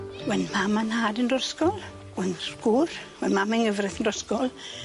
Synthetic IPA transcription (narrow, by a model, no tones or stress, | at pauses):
wɛnmamanhaːdindɔskɔlˠ | wɛnɡ̥urwɛnmamaŋəvrɪθəndɔskɔlˠ